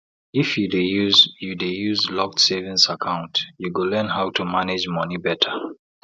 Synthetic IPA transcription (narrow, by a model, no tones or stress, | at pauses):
ifjudejuzjudejuzlɔk̚tsevĩnsakʰãʊ̃ntjuɡəlɜ̃nhaʊtʰumanɛd͡ʒmʌnibɛtʰə